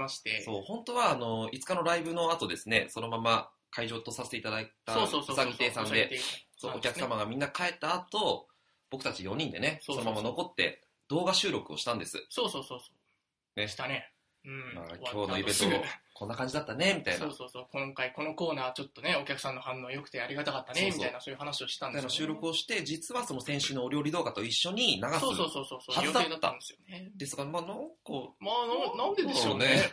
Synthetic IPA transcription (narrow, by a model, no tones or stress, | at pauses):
maɕi̥t̪eso̞ːhõ̞nt̪o̞βaːno̞it͡sɨ̥kano̞ɾaibɯ̟no̞at̪o̞d̪e̞sɨne̞so̞no̞mama | kʰaiʑo̞ːt̪o̞saset̪eit̪ad̪ait̪aooːsaɡʲieːsãnd̪e̞t̪soːokʲakɯsamaɡamʲĩnːakae̞t̪ːaːt̪o̞ | b̥o̞kɯ̟t̪at͡ɕijõ̞ɲ̟ĩnd̪e̞nesoomamano̞ko̞t̪ːe̞̰ | d̪̥o̞ːɡaɕɨːɾo̞kɯ̟o̞̰ɕi̥t̪ãnd̪e̞sɨ̰soːsoːsoːsoː | ne̞ɕi̥t̪ane | ɯ̟̃ma̰kʲo̞ːnoibet̪oko̞nːakãɲ̟d͡ʑid̪at̪ːane̞mʲit̪a̰inoːsoːsoːkõ̞ŋkaiko̞no̞ko̞ːnaːβat͡ɕo̞t̪ːone̞o̞kʲakɯ̟̥sãnːo̞hãnːoːjo̞kɯ̟̥t̪eaɾʲiɡat̪akat̪ːanemʲit̪ainasoːjɯ̟hanaɕio̞ɕi̥t̪ãnainaɕɨːɾo̞kɯ̟o̞ɕi̥t̪e̞d͡ʑit͡sɨβaso̞no̞sẽ̞ɰ̃ɕɨnːoːɾʲo̞ːɾʲid̪o̞ːɡat̪o̞iɕːo̞ɲ̟inaɡasoɨːsoːsoːsoːsohad̪aed̪at̪ːa̰nd̪esɨjoned̪e̞sɨ̥ɡamaːnãŋkomanãnd̪eeone